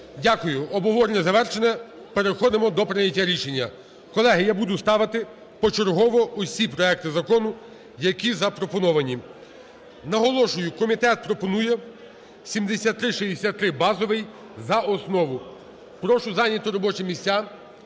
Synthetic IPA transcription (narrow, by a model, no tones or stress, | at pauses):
dʲakʊjʊɔbɔɦɔɾnʲɛzɐʋɛrʃenɛ | peɾexɔd̪emɔd̪ɔpɾɪnʲɐtʲːaɾʲiʃenʲːɐ | kɔlˠɛɦɪjabud̪ʊst̪ɑʋɪt̪ɪ | pɔt͡ʃeɾɦɔʋɔʔʊsʲipɾɔɛk̚t̪ɪzɐkɔnʊ | jɐkʲizɐpɾɔpɔnɔʋɐnʲi | nɐɦɔlˠɔʃʊjʊkɔmʲit̪ɛt̪̚pɾɔpɔnujɛ | sʲimd̪esʲat̪ːɾɪʃijd̪esʲat̪ːɾɪbɑzɔʋɪj | zɐʔɔsnɔʋʊ | pɾɔʃʊzɑnʲɐt̪ʊɾɔbɔt͡ʃɛmʲisʲtʲːa